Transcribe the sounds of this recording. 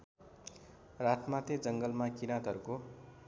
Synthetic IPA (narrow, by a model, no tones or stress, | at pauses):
rat̪mat̪ed͡zʌŋɡʌlmakinat̪ʌɾuko